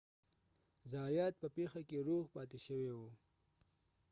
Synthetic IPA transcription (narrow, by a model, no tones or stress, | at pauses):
zɑjɑt̪̚pəpexakeɾoɣpɑt̪eʃəwewu